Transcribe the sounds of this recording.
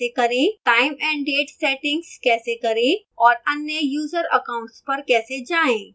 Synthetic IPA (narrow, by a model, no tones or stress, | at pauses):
ekɐɾẽːʈaːɪmɛ̃ːɳɖɖeːʈsɛːʈɪ̃ŋɡskɛːsekɐɾẽ | ɔːɾɐnːjəjuːzəɾɐ̰kãʊ̃ɳʈspɐɾkɛːsed͡ʒaːẽː